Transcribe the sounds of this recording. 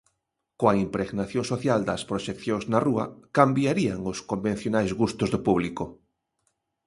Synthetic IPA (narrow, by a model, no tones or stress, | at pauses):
koaimpɾeɣnaθjõŋsoθjald̪ɐspɾoʃekθjõŋznaruɐ̰kambjaɾiaŋoskombẽn̟θjonajzɣust̪ʊzðʊpuβliko